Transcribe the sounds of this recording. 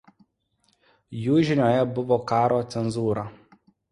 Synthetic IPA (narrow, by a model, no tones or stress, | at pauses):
juːʒʲɪnʲoːjɛbʊʋɔkaːɾoːt̪sʲɛnzuːɾɐ